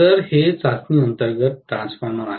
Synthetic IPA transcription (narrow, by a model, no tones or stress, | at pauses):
əɾhet͡sasniːənt̪əɾɡət̪̚ːɾãnspoɾɳəɾa